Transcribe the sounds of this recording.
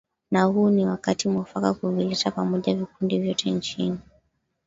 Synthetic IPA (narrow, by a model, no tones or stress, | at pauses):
nahuːniwakatimwafakakuvilɛtapamɔʄavikundivjɔtʰɛnt͡ʃini